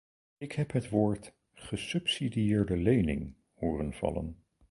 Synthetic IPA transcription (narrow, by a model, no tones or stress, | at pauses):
ɪkɦɛpɦətʋoːɹt | χəsɵpsidijɪːɹdəlejnɪ̰ŋ | hoːrənv̥ɑ̰lə̰n